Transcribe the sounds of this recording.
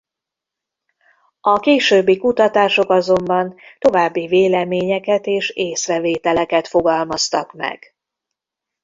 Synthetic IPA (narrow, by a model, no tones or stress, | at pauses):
ɒkeːʃøːbːikut̪ɒt̪aːʃo̞kɒzo̞mbɒnt̪o̞vaːbːiveːlɛmeːɲɛkɛt̪eːʃeːsrɛveːt̪ɛlɛkɛt̪fo̞ɡɒlmɒst̪ɒkmɛ̰ɡ̥